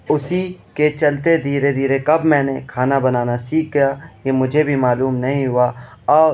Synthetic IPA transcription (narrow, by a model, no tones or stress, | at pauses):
ʊsiket͡ʃɐlt̪ed̪ʱiːɾed̪ʱiːɾekɐbmɛ̃ːnekʰaːnabɐnaːnasiːk̚ɡjajemʊd͡ʒʱebʱimaːluːmnɐɦĩɦʊaɔː